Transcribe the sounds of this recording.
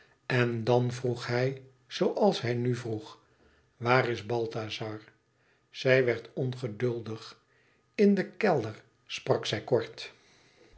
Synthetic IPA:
ɛndɑnvruχɦɛj | z̥owʔɑlˠsɦɛjnyvruχ | ʋaːrɪzbɑlˠtazɑɹ | z̥ɛjʋɛɹtʰɔnχədɵlˠdəχ | ɪndəkɛlˠdəɹ | sprɑksɛjkɔɹt

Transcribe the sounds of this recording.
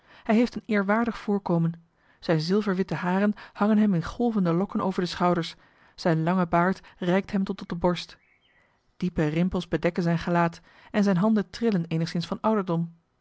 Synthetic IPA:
hɛjɦejftənɪːɹʋaːɹdəχfʊːɹkowmən | z̥ɛjnzɪlˠvəɹʋɪtəɦaːrənhɑŋənɦɛmɪnχɔlˠvəndəlɔkəno̰wvəɹdəsχɑwdəɹs | z̥ɛjnlɑŋəbaːɹtrɛjk̚tɦɛmtɔtɔt̚dəbɔɹst | d̥ipərɪmpəlˠzbədɛkənzɛjnχəlaːt | ɛnzɛjnɦɑndəntrɪləneːjnəχsɪnsfɑnʌwdəɹdɔm

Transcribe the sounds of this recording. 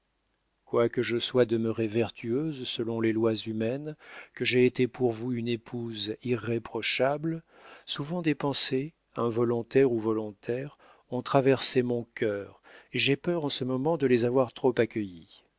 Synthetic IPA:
kwakəʒəswad̪əməʁevɛʁt̪ʰyøzsəlɔ̃lelwazymɛnkəʒeːt̪epuʁvuynepʰuziʁːepχɔʃabl | suvɑ̃d̪epɑ̃se | ɛ̃vɔlɔ̃t̪ɛʁuvɔlɔ̃t̪ʰɛʁ | ɔ̃t̪χavɛʁsemɔ̃kʲʰœːʁ | eʒepœʁɑ̃səmɔmɑ̃d̪əlezavwaʁt̪χopakʲəji

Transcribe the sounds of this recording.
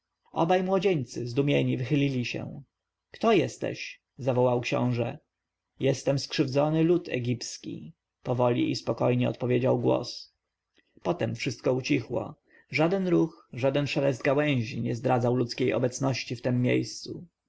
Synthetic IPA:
ɔbajmwɔd͡ʑeɲt̪sɘzd̪umʲjeɲivɘxɘlʲilʲiɕɛ̰ | kt̪ɔjɛst̪ɛ̰ɕ | zavɔwawkɕɔ̰̃w̃ʐɛ | jɛst̪ɛmskʂɘvd̪zɔnɘlut̪ʰɛ̰ɡʲipskʲḭ | pɔvɔlʲḭʔispɔkɔjɲɛɔ̰t̪̚pɔvʲjed͡ʑawɡwɔ̰s | pɔt̪ɛmfʂɘst̪̚kɔut͡ɕixwɔ̰ | ʐad̪ɛnɾuxʐad̪ɛnʂɛlɛzd̪̚ɡawɛ̃w̃ʑiɲɛzd̪ɾad̪zawlut̪skʲejɔ̰bɛt̪snɔɕt͡ɕift̪ɛmːjḛjst̪su

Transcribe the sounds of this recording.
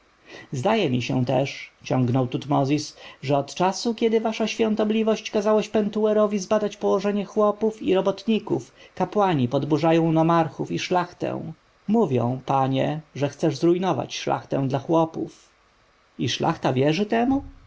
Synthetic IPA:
zd̪ajɛmʲiɕɛ̃t̪ɛʂt͡ɕɔ̃ŋɡnɔwt̪ut̪mɔzʲisʐɛɔt̪t͡ʂasukʲɛd̪ɘvaʂaɕfʲjɔ̃nt̪ɔblʲivɔɕt͡ɕkazawaɕpɛnt̪uɛɾɔvʲizbad̪at͡ɕpɔwɔʐɛɲɛxwɔpufiɾɔbɔt̪ɲikufkapwaɲipɔd̪buʐajɔ̃w̃nɔmaɾxufiʂlaxt̪ɛ̰̃w̃ | muvʲjɔ̰̃w̃paɲɛʐɛxt̪sɛʐzɾujnɔva̰t͡ɕʂla̰xt̪ɛ̃w̃d̪laxwɔpṵf | iʂlʔa̰xt̪avʲjɛʐɘt̪ɛmu

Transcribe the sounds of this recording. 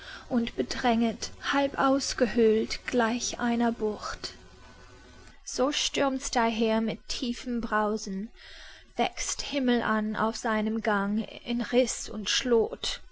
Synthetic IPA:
ʔʊntb̥ədʁɛŋəthalpʔaʊsɡ̥əhøltɡ̥laɪçʔa̰ɪnɐbʊçt | z̥oːʃtʏɐmsd̥aɦeːɐmɪtʰiːfəm̩bʁaʊzn̩ | v̥ɛ̰ksthɪml̩ʔana̰ʊfz̥aɪnəmɡaŋɪnʁɪsʊntʃloːt

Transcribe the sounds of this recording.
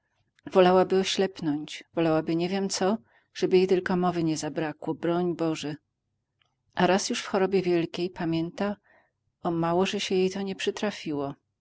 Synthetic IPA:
vɔlawabɘɔɕlɛpnɔɲt͡ɕvɔlawabɘɲɛvʲjɛmt̪sɔ | ʐ̥ɛbɘjejt̪ɘlkɔmɔvɘɲɛzabɾakwɔbɾɔɲbɔʐɛ | ʔaɾasjuʂfxɔɾɔbʲjɛvʲjɛlkʲejpamʲjɛnt̪a | ɔmawɔʐɛɕɛjejt̪ɔɲɛpʂɘt̪ɾafʲiwɔ

